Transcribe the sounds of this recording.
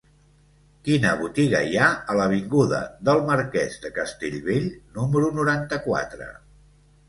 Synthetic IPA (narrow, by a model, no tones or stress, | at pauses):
kinəβut̪iɣəjaələβ̞iŋɡuðə̰ðəlˠməɾkɛzðəkəst̪eʎβeʎnuməɾunuɾant̪əkwa̰t̪ɾə̰